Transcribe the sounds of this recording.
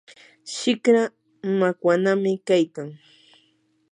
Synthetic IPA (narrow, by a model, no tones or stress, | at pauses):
ʃɪkɾa | makwanamɪkajkaŋ